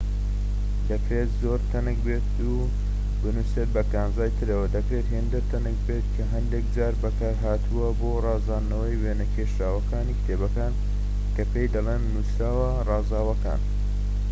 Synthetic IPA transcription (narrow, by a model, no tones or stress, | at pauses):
d̪̥ɐpʰet̪zoːɾt̪ʰɐnɨkbeːt̪ | u | bɨnuseːt̪̚bɐkaːnzaːjt̪ʰɨɾɐwɐd̪ɐpʰeːt̪heːnd̪ɐɾt̪ʰɐnɨkbeːt̪kʰɐɦɐnd̪ek̚d͡ʒaːɾbɐkaːɾɦaːt̪ʰuwɐboːrɑːzaːnːɐwɐjweːnɐkʰeʃɾaːwɐkaːniːkt̪ʰeːbɐkaːn | kɐpʰejd̪ɐlˠeːnːusɾaːwɐ | rɑːzaːwɐka̰ːn